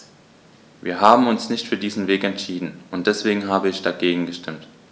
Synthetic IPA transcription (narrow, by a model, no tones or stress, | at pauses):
viːɐɦaːbm̩ʊnsnɪçtfyːɐdiːzn̩veːkɛntʃiːdn̩ʊntd̥ɛsv̥eːɡŋ̩ɦaːbəɪçd̥aɡeːɡŋ̩ɡəʃtɪmt